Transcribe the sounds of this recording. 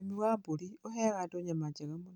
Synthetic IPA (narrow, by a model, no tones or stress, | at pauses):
miwabolioɦɛɣadoɲamad͡ʒɛɣɛmun